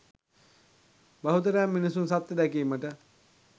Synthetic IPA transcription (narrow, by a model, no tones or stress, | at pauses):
baɦut̪əɾjamːinisunsat̪jəd̪ækiːməʈə